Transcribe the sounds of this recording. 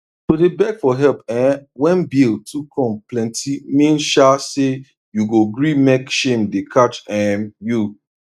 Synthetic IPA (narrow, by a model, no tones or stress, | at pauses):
todebɛɡfɔɦɛlpɛ̃wɛ̃nbiltʰukʰɔ̃mplɛ̃ntimĩnʃase | juɡoɡɹimekʃẽmdekʰat͡ʃɛmju